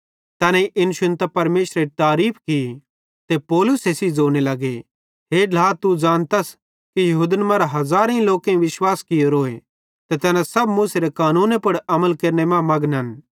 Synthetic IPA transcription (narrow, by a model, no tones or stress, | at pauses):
t̪ɛːnɛ̃iʔɪnʃɪnt̪ɐpɐɾmeːʃɾet̪aːɾiːpʰki | t̪epɔːlʊsesid͡zoːñelɐɡe | ɦeːɖʱlaːt̪ud͡ʒãːnt̪ɐs | kijɐɦuːd̪inəmãɾaɦɐzaːɾ̃ĩloːkẽĩʋɪʃwaːskɪjoɾoːe | t̪et̪ɛːnãsɐbmuseɾekaːnũːnẽpʊɽɐməlkeːɾnemãmɐɡnɦɐn